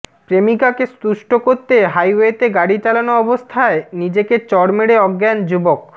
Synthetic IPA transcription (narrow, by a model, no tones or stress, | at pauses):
pɾemikakespuʃʈokoɾt̪eɦajwet̪eɡaɽit͡ɕalanoɔbost̪ʰaenid͡ʑeket͡ɕɔɽmeɽeɔɡːɛnd͡ʑubok